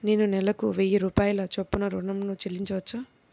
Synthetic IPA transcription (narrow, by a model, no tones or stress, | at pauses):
neːnunɛlɐkuʋejɐɾuːpaːjɐlɐt͡ʃopːunɐɾuɳɐmnut͡ʃelːiɲt͡ʃɐʋɐt͡ʃːaː